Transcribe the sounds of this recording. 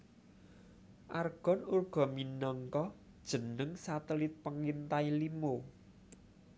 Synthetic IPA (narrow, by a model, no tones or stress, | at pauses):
ʔarɡ̥ɔ̤nurɡ̥ɔ̤minɔŋkɔ | d̥ʒ̥ə̤nəŋsat̪əlɪt̪̚pəŋint̪ailimo